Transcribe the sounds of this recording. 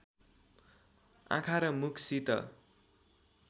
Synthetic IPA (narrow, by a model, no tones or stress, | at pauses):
ã̰kʰaɾʌmukʰsit̪ʌ̰